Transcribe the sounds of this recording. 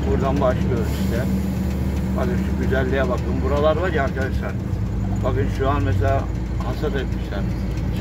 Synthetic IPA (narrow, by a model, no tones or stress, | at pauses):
buɾd̪anbaʃlˠɯølʲʰylɛ | ba̰ɡɯnʃuɟyzælʲːijɛbakʰɯnbuɾalˠaɾvaɾjɦaɾkad̪aʃlˠaɾ | baɡɯnʃuanmɛs̬ɛlʲa | hansat̪et̪miʃlʲæɾ